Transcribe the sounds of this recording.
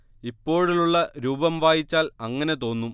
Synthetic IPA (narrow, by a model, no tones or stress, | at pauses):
ipːo̞ːɻiluɭːɐɾuːbɐmʋaːjit͡ɕːaːlɐŋːɐne̞t̪o̞ːnːum